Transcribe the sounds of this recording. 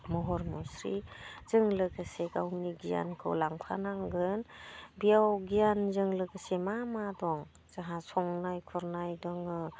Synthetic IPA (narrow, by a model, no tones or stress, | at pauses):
mɔɦɔɾmɔsɾḭz̥ɯŋlɯɡaseɡawniɡija̰nkʰɯ̰wlaŋpʰa̰naŋɡɯnbijawɡijanzɯŋlɯɡɯsemamadɔŋ | z̥aɦasɔŋnajkʰɔɾnajdɔŋɯ